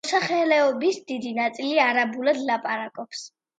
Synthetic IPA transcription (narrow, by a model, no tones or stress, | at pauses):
saχɛlɛɔbisd̪id̪inat̪sʼiliaɾabulad̪lapʼaɾakʼɔps